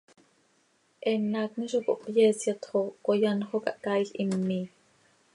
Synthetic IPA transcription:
ʔɛnːɑːkniʃoko̰ʔpjesjɑt̪χokojɑnχokɑʔkaːiɬʔimːiː

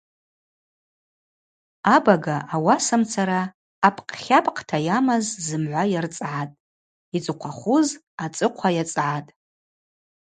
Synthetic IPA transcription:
abaɡaʔawasamt͡sʰaɾaː | pʰʼqʼχʲapʼqʰʼtʰajamazzɨmʕʷajart͡sʼʕatʼ | it͡sʼɨqʷʰaχʷuz | at͡sʼɨqʷʰajat͡sʼʕatʼ

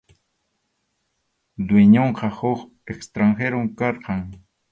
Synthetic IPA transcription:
d̪weɲoɴqɑhoχ | ekst̪ɾaŋxeɾoŋkɑɾqɑŋ

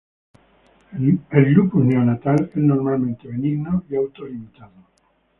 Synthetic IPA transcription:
elɡɾupuneonat̪aleznoɾmalmẽnt̪eβenĩɡnoiawt̪olimit̪aðo

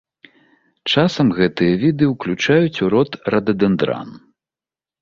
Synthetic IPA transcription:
t͡ʂasɐmɣɛt̪ɨjɐvʲid̪ɨwklʲut͡ʂajut͡sʲuɾɔt̪rɐd̪ɐd̪ɛnd̪ɾa̰n

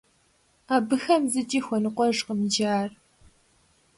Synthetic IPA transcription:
aːbɨxɐmzɨtʼiːxʷɔnɨqʷʼɔʐqəmd͡ʒaːr

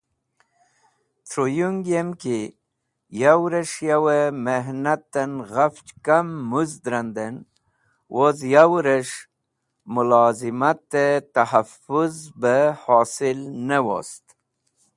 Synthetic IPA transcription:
t̪ʰɾujuŋɡjemki | jawɾəʂjawəmeɦnat̪ːənɣaft͡ʃkamːuzd̪ɾand̪ən | wʔozjawɾəʂ | mulɑzimat̪ːet̪ahafuzbəhosilnəwo̰st̪

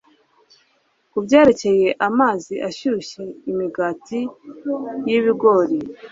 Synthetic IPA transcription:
kubɟeːɾe̞ce̞je̞ʔamaːziʔaʃuʃe̞imiɡaːti | jiβiɡo̞ɾi

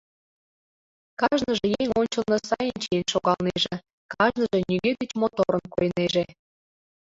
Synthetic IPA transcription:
kɑʒnɤʒĕjeŋonʲt͡ɕəlnɤ̆sɑjənt͡ɕijenʃoɣɑlˠneʒĕ | kɑʒnɤʒe̽nyɣed̪et͡ɕmot̪oɾə̆nkojneʒe

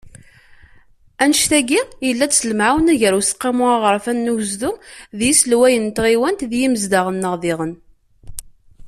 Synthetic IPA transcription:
ænʃθæɡijəlːæt͡sːsələmʕawnæʝəɾusə̥qːimʊaʁəɾˤfænːuwzd̪uðjisəlwæjənt̪ʁiwænt̪ðjiməzd̪aʁənːəʁðɪʁən

